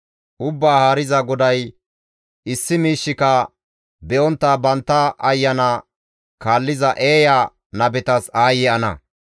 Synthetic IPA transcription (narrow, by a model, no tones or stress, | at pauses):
ʔʊbːaːhaːɾɪzɐɡɔd̪ɐj | ʔɪsːɪmiːʃːɪkɐ | bɛʔɔnt̪ːɐbɐnt̪ːɐʔɐjːɐnɐ | kaːlːɪzɐʔe̞ːja | nɐbɛt̪ɐsaːjɛɐnɐ̰